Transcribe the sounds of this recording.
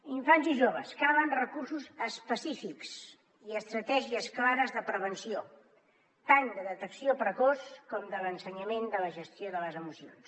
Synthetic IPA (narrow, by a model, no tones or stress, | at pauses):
iɱfanziʒoβ̞ə̰skaβənrəkursuzəspəsifiks | iəst̪ɾət̪ɛʒiəsklaɾəzðəpɾəβ̞ənsio | t̪and̪əðət̪əksiopɾəkɔskɔmd̪ələnsəɲəmend̪ələʒəst̪ijoðələzəmusions